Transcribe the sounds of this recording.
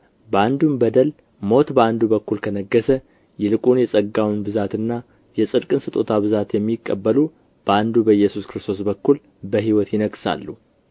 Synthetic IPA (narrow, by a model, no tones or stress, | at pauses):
bəand̪unbəd̪əl | mo̞t̪bəand̪ubəkːulkʰənəɡːəsə | jɛlɨkʼunjɛsʼəɡːawnbɨzat̪ɨnːa | jɛsʼɨd̪kʼɨnsɨt̪ʼo̞̰t̪ʰaβɨzat̪jɛmːikʼːəbːəlu | b̥əand̪ubəjːɛsuskɨɾɨst̪ʰo̞s̬bəkːul | bəɦiwɔt̪jɪnəɡsa̰lːu